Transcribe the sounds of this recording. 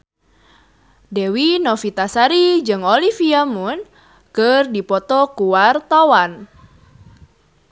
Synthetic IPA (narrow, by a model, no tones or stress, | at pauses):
dewinɔfit̪asaɾid͡ʒɨŋolifiamun | kərdipɔt̪ɔkuwart̪awan